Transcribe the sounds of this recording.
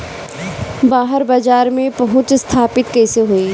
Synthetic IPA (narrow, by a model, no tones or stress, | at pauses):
baːɦəɾbaːd͡ʒaːɾmẽpɐɦʊ̃t͡ʃst̪ʰaːpɪt̪kɛːseɦoiː